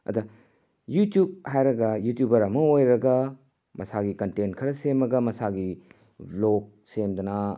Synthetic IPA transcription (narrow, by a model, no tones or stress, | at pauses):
ɐ̰d̪ɐ | jutjub̚hajɾɐɡɐjutjubɐɾɐmɐojɾɐɡɐ | mʔɐsaɡikɐntenkʰɐɾɐsemɐɡɐmɐsaɡi | bloɡ̚semd̪ɐnɐ